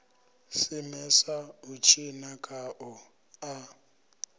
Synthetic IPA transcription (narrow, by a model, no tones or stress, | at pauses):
simɛsaut͡ʃʰinakʼaʔɔ | a